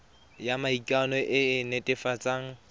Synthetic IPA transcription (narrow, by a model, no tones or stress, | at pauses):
jamaikʼanɔʔɪɪnetʼɪfat͡sʼaŋ̩